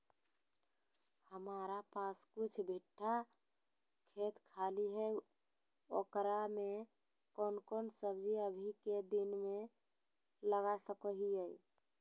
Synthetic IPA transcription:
həmaɾapaskut͡ʃʰbʱiʈʰːa | kʰet̪kʰaliɦɛ | o̰kɾame | konkonsəbd͡ʒiəbʱiked̪inme | ləɡasəkəɦiəj

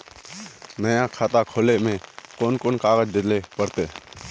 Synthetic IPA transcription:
nəjãːkʰaːt̪aːkʰoːleːmẽːkoːnkoːnkaːɣəd͡ʒd̪ɪd̪leːpəɾt̪eː

